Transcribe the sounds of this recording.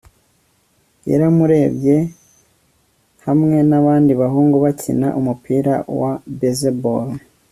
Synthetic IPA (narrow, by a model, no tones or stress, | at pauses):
jḛɾamuɾe̞ːbje̞ | hamŋe̞naβaːndiβaɦuːŋɡuβacʰḭna̰ʔumupʰiːɾa̰wabezebo̰ɾo